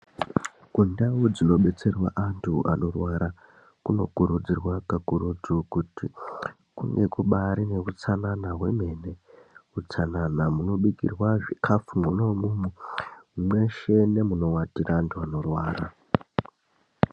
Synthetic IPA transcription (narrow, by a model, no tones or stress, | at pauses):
kundaud͡zino̞ɓe̞t͡se̞rwa̰ʔantʰua̰no̞rwaɾa | kuno̞̰kuɾud͡zirwakakuɾud͡zukuti | kṵŋɡe̞kuɓaɾine̞kut͡sananaɦwe̞me̞ne̞ut͡sananamuno̞ɓikḭrwaʐikʰafumunomumu | mwe̞ʃe̞ne̞muno̞watiɾaːntʰuano̞rwaːɾa